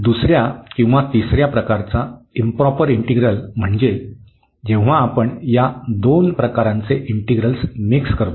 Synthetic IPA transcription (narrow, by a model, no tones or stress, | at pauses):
d̪usɾjakĩw̃ʋat̪isɾjapɾəkaɾt͡saimpɾɔpəɾiɳʈiɡɾəlm̤əɳd͡ze | d͡ʑẽw̃ʋ̤aːpəɳjad̪onpɾəkaɾãnt͡seʔiɳʈiɡɾəlsmikskəɾt̪o